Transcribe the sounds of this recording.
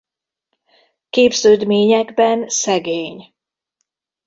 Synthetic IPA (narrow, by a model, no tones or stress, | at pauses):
keːbzøːd̪meːɲɛɡbɛnsɛɡeːɲ